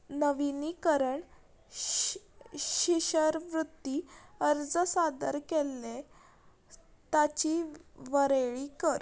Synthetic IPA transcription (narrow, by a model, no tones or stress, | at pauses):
nəʋinikəɾəɳ | ɕiɕəɾʋɾut̪ːiəɾd͡zəsad̪əɾkelːe | t̪at͡ɕiʋəɾeɭikəɾ